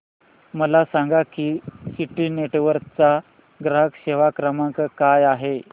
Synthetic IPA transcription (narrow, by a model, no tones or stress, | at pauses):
məlasaŋɡakiːsiʈiːneʈʋəɾt͡sa | ɡɾaɦəkɕeʋakɾəmaŋkkajaɦe